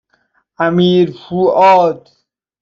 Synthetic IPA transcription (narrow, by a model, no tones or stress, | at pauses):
amiːɾfuːʔɔːd̪